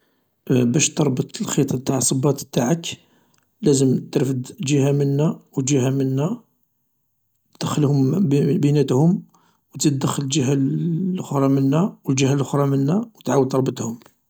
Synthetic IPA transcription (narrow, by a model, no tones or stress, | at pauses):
bæʃt̪ɑɾˤbət̪əlxit̪ˤɑt̪ːaʕsˤəbɑt̪t̪aʕək | læzəmt̪ːɾfəd̪ʒihæmənːæwət̪ʒihæmənːæ | d̪̥əxːəlhʊmbənæt̪hʊm | wt̪əd̪əxːələld͡ʒəɦælʔʊxɾˤɑmənːæwəld͡ʒəhælʔʊxɾˤɑmənːæwət̪ʕawəd̪t̪ːɑɾˤbət̪hʊm